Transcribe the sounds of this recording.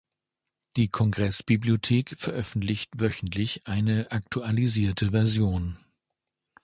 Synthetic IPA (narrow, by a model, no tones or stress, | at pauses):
d̥iːkʰɔŋɡʁɛsb̥ibliotʰeːkfɛɐʔœfn̩tlɪçtvœçn̩tʰlɪçʔaɪnəʔak̚tʰualiziːɐtʰəvɛɐzjoːn